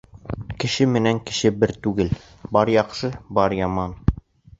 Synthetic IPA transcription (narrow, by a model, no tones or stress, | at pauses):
kɘ̆ʃɘmɘ̆næŋkɘ̆ʃɘbɘɾt̪ʉɡɘl | bɑɾjɑqʃɤbɑɾjɑmɑn